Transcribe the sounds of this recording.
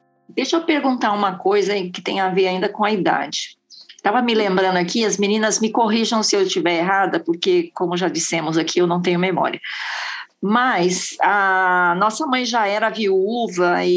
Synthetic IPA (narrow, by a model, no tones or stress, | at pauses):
d̪ejʃɐpeɾɡũnt̪aɾũmɐkojzɐkɪ̥t̪ḛ̃j̃aveɾaĩnd̪ɐkõɐid̪a̰d͡ʒɪ | t̪avɐmɪlẽmbɾɐ̃nd̪ʊakiɐzmĩnĩnɐzmɪkoɦiʒɐ̃w̃sɪewst͡ʃivɛɾeɦad̪ɐpoɾkekõmʊʒad͡ʒisẽmʊzakʰiewnɐ̃w̃t̪ẽɲ̃ʊmemɔ̰ɾiɐ | mɐsɐnɔsɐmɐ̃j̃ʒaɛɾɐviuvɐɪ